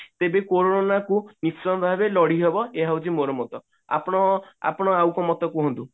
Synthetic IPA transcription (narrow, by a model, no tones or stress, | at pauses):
t̪ebekoɾoonakunisɔnɔbʱabelɔɽ̤iɦebɔeɦawt͡ʃimoɾɔmɔt̪ɔ | a̰pɔɽ̃ɔa̰pɔɽ̃ɔawkɔmɔt̪ɔkuɦɔnt̪u